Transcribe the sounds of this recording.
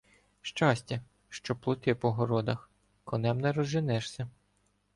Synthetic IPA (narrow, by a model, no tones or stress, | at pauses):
ʃt͡ʃɑsʲtʲɐ | ʃt͡ʃɔplˠʊt̪ɪpɔɦɔɾɔd̪ɐx | kɔnɛmnɛɾɔzʒɪnɛʃsʲɐ